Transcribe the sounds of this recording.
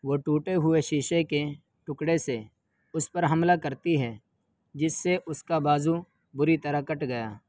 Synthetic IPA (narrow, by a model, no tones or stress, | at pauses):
ʋoːʈuːʈeɦʊeʃiːʃeke | ʈʊkɽese | ʊspəɾɦɐmlakɐɾt̪iɦɛː | d͡ʒɪsːeʔʊskabaːzu | bʊɾit̪ɐɾakɐʈɡɐjaː